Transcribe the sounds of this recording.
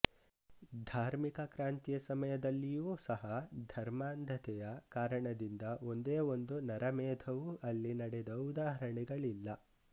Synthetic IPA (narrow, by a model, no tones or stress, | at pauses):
d̪ʱaːɾmikɐkɾaːnt̪jɐsɐmɐjɐd̪ɐlːijuːsɐɦɐd̪ʱɐɾmaːnd̪ʱɐt̪ɛjɐkaːɾɐɳɐd̪ind̪ɐo̞nd̪eːo̞nd̪unɐɾɐmɛːd̪ʰʱɐʋuʔɐlːinɐɽed̪ɐud̪aːɦɾɐɳiɡɐɭilːɐ